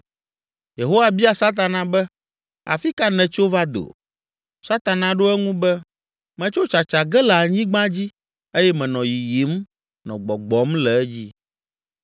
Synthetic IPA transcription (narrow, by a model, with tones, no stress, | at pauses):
je˨ɦo˦wa˨bi˦a˨sa˦t̪̬a˨nã˨bɛ˦ | a̰˨fi˦ka˦nɛ̃˨t͡ʃo˦va˦d̪o̰˨ | sa˦t̪a˨nã˨ɖo˦ɛ˦ŋũ˦bɛ˦ | mɛ̃˨t͡ʃo˦t͡ʃa˨t͡ʃa˨ɡɛ˦la˨ɲĩ˦ɡ͡bã˦d͡ʑi˦ | e˦jɛ˦mɛ̃˨nɔ̃˨ji˨ji˨˦m | nɔ̃˨ɡ͡bɔ˨ɡ͡bɔ˨˦mlɛ˨ɛ˦d͡ʑi˦